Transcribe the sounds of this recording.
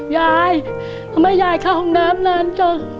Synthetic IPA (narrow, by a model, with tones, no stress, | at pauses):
jaː˧˩j̪ʰ | a˧˩ma˥˩jːaː˧˩jkʰaː˧˩o˧˩naː˦˥mna˧˩˨nkɔ˧˩